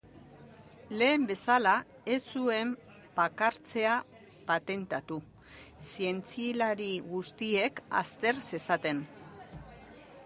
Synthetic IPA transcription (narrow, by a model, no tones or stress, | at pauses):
le̞ːmbe̞sala | esue̞m | b̥akaɾt͡se̞a | pat̪e̞nt̪at̪u | sie̞nt͡silaɾiɣust̪ie̞ka̰st̪e̞ɾse̞sat̪e̞n